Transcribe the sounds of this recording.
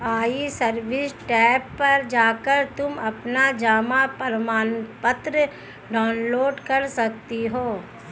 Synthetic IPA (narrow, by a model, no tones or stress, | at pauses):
aːisɐɾbɪsʈɛːpːɐɾd͡ʒaːkəɾt̪ʊmɐpnad͡ʒaːmapɐɾmaːnpət̪ɾə | ɖaːnloːɖkɐɾsɐk̚t̪iɦoː